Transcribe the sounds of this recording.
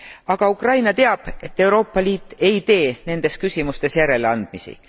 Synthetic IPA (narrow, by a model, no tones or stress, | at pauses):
ɑɡ̥ɑukrɑjnɑt̪e̞ɑb̥e̞t̪ːe̞wɾo̞ːpːɑliːt̪ːˑe̞jt̪e̞ːne̞nd̪̥e̞skysʲimust̪e̞sjæɾe̞leɑnd̪̥̚misḭ